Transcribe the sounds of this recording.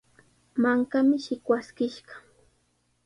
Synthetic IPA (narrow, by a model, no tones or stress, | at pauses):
maŋkamɪʃɪkwaskɪʃɢɑ̥